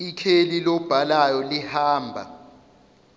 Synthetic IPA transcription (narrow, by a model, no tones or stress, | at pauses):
ikʰelilɔb̥ʱalajɔlihaːmbʱa̰